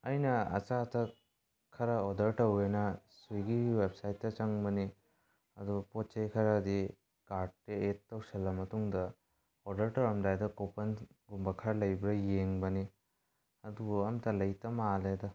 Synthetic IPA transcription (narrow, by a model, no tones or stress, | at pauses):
ɐjnɐɐ̰t͡ʃatɐ | kʰɐɾɐɔdɐɾtɐwejnɐsujɡiwebsajtːɐt͡ʃɐŋbɐni | ɐdupɔtt͡ʃejkʰɐɾɐːdi | kaɾʈ̚ːeetːɐwsɐlːɐmɐtuŋdɐ | odɐɾtɐwɾɐmdajdɐkopɐnɡumbɐkʰɐɾlɐjbɾɐjeŋbɐni | ɐdubɐmtɐlɐjtɐmaledɐ